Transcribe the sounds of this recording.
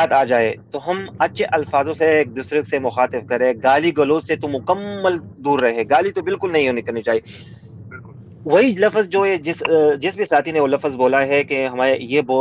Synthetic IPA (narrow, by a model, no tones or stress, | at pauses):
aːt̪aːd͡ʒaːet̪oɦɐmɐtːʃʰeʔɐlfaːzõseːk̚d̪ʊsɾɪksemʊxaːt̪ɪfkɐɾẽːɡaːliɡɐloːzset̪omʊkəmːəld̪uːɾːɐɦɛ̃ɡaːlit̪obɪlkʊlnɐɦĩɦoːnikɐɾnit͡ʃaːɦiː | ʋɐɦilɐfzd͡ʒoːed͡ʒɪsd͡ʒɪsbisaːt̪ʰineoːlɐfzboːlaɦɛkeɦɐmaːɾejeboː